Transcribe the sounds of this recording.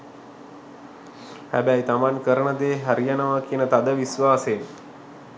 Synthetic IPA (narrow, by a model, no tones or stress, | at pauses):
ha̰bajt̪amankəɾɳəd̪eɦəɾjanəʋakinət̪ad̪əʋisʋaːse